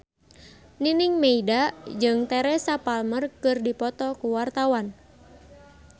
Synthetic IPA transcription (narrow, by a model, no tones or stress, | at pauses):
niniŋmeidad͡ʒɨŋt̪ɛɾɛsapalmərkɨrdipɔt̪ɔkuwart̪awan